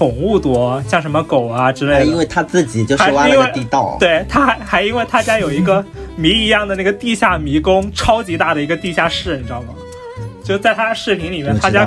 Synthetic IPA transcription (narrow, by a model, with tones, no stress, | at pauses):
ʊ˨˩ŋu˥˩t̪wɔ˧˥ɕjɑ˥˩ŋʂ̬ə˧˥nmə˧ko˨˩ʊɐ˧ʈ͡ʂɻ̩˥le˥˩ɪd̪i˥nwe˥˩ɪt̪ʰa˥t͡sɹ̩˥˩t͡ɕi˨˩t͡ɕjo˥˧ʊxa˥˧wa˥i˥wɪt̪i˥˧t̪ɑ̰˥˩ʊt̪we˥˩ɪt̪ʰa˥xa˧˥ɪxa˧˥ɪi˥nwe˥˩ɪt̪ʰa˥t͡ɕja˥jo˨˩ʊi˧˥ɡə˧mi˧˥i˧˥jɑ˥˩ŋd̪ə˩na˥˩ɡə˩t̪i˥˧ɕja˥˩mi˧˥kʊ˥ŋʈ͡ʂʰɑ˥ʊt͡ɕi˧˥t̪a˥˩ɾə˩i˧˥ɡə˧t̪i˥˧ɕja˥˧ʂɻ̩˥˩ə˥˩nʈ͡ʂɑ˥˩ŋmɐ˨˩ | t͡ɕjo˥˧ʊʂt͡sa˥˩ɪt̪ʰa˥ʂɻ̩˥˩pʰi˧˥ŋli˨˩mjɛ˥˩nt̪ʰa˥t͡ɕja˥